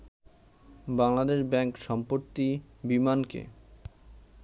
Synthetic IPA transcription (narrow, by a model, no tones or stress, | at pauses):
baŋlad̪eʃbɛŋkʃɔmpot̪ːibimankḛ